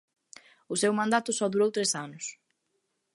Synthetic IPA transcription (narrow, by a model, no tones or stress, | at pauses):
ʊsewmãnd̪at̪ʊsɔðuɾowt̪ɾesanʊs